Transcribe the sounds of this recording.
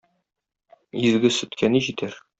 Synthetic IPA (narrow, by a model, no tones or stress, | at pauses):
izɡɘsɵ̆t̪kʰæniʑit̪æɾ